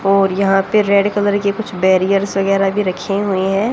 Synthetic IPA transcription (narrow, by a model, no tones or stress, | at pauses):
ɔːɾjɐɦãpeɾeːɖkɐləɾkekʊt͡ʃʰbɛːɾijəɾsʋɐɣɛːɾabʱiɾɐkʰeɦueɦɛ̃ː